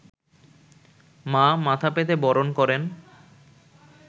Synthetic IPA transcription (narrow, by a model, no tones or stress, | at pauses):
mamat̪ʰapet̪ebɔɾonkɔɾen